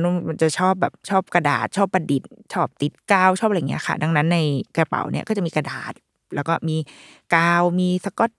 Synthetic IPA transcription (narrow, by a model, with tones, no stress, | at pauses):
nu˧˥˩ma˧nt͡ɕa˨˩ʔt͡ɕʰɔː˥˩p̚bɛː˨˩p̚t͡ɕʰɔː˥˩p̚ka˧da̰ː˨˩t̪̚t͡ɕʰɔː˥˩pːa˧di˨˩t̪̚t͡ɕʰɔː˥˩p̚t̪i˨˩t̪̚kaː˧wt͡ɕʰɔː˥˩p̚ʔːŋi˦˥ɐ˨kʰa̰˥˩da˧ŋna˦˥nːa˧jkɾa˧pa̰˨˦wnḭ˥˩ɐkɔ˥˩t͡ɕa˨˩ʔmiː˧ka˧daː˨˩t̪̚ | lɛː˦˥wkɔː˥˩miː˧ | kaː˧wmiː˧sa˧kɔ˧˥˩t̪̚